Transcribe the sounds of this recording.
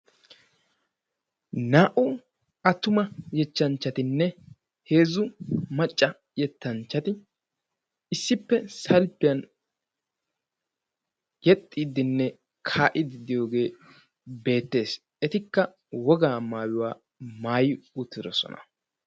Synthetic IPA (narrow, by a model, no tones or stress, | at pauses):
naːʔʊ | ɐt̪ːʊmɐjɛt͡ʃːɐnt͡ʃːɐt̪ɪnːɛ | he̞ːzʊmɐt͡ʃʼːɐ | jɛt̪ːɐnt͡ʃːɐt̪ɪ | ɪsːɪpːɛsɐlpːɪjɐn | jɛt̪ʼːiːd̪ːɪnːɛ | kʰaːʔɪd̪ɪd̪ɪjo̞ːɡe̞ː | be̞ːt̪ːe̞ːs | ɛt̪ɪkːɐ | wɔɡaːmaːwɪwaː | maːjɪʊt̪ːɪd̪ɔsɔ̰nɐ̰